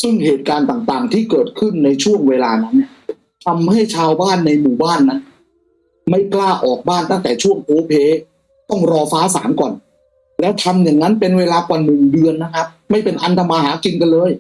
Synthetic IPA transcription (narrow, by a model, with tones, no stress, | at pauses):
sɯ˥˩ŋheː˨˩t̪̚kaː˧nt̪aː˨˩ŋt̪aː˨˩ŋt̪ʰiː˥˩kɤː˨˩t̪̚kʰɯ˥˩nːa˧jt͡ɕʰu˥˩əŋweː˧laː˧na˦˥nːi˥˩ | t̪ʰa˧mɦa˥˩jt͡ɕʰaː˧wbaː˥˩nːa˧jmuː˨˩baː˥˩nːa˦˥n | ma˥˩jklaː˥˩ʔɔː˨˩k̚baː˥˩nt̪a˥˩ŋt̪ɛː˨˩t͡ɕʰu˥˩əŋpʰoː˧˥pʰeː˧˥ | t̪ɔ˥˩ŋɾɔː˧faː˦˥sa̰ː˩˦mkɔː˨˩n | lɛː˦˥wt̪ʰa˧mja˨˩ŋna˦˥npe˧nweː˧laː˧kwaː˨˩nɯ˨˩ŋdɯ˧ənːa˦˥kʰa˦˥p̚ma˥˩jpe˧nʔa˧nt̪ʰa˧maː˧ɦaː˩˦ki˧nka˧nlɤː˧j